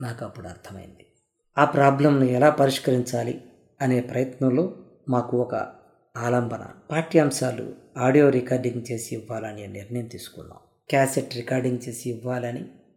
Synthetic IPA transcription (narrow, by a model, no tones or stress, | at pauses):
naːkɐpːuɽuɐ̰ɾt̪ʰɐmɐ̰jḭnd̪i | aːpɾaːblɐmnuɛlaːpɐɾiʂkɐɾiɲt͡ʃaːlḭ | ɐne̞ːpɾɐjɐt̪nɐmlo̞ː | maːkuɔkɐ̰ | aːlɐmbʱɐnɐ̰paːɾʈiːɐmʃaːlṵaːɖijo̞ːɾikaːɾɖiŋɡt͡ʃe̞ːsiːʋːaːlɐniniɾnɐjɐmt̪iːsu̥kunːa̰ːm | kaːseʈɾikaːɾɖiŋɡt͡ʃe̞ːsiːʋːaːlɐni